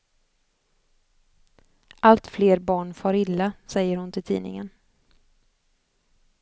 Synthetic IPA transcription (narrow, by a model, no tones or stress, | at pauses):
ʔalt̪fleːɾbɑːɳfɑːɾɪlːasɛjːəɾhʊnt̪ʰɪlt̪ʰḭːnɪ̰ŋən